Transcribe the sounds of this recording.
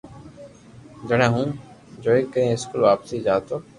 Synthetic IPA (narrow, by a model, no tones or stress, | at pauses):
d͡ʒəɽẽːɦũː | d͡ʒoːikːəɾẽːɪskulʋaːpsiːd͡ʒaːt̪oː